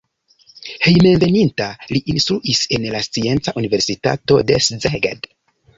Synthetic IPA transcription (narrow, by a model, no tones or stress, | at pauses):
he̞jmenve̞nintaliʔinstɾuʔise̞nlast͡sie̞nt͡saʔunive̞ɾsita̰to̞de̞szeɡa̰d